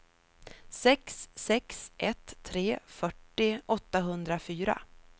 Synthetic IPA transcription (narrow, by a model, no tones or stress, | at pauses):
sɛksːɛksʔɛt̪ʰːɾeːfœʈːɪʔɔt̪ːaɦɵnd̪ɾafyːɾa̰